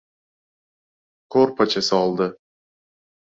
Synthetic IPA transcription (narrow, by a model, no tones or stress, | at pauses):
kʰoɾpʰat͡ʃʰasɒlˠd̪ɪ